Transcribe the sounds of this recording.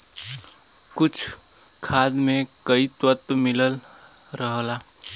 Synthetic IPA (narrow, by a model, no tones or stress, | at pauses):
kʊt͡ʃʰ | kʰaːd̪mẽ | kəit̪wət̪mɪləl | ɾəɦlaː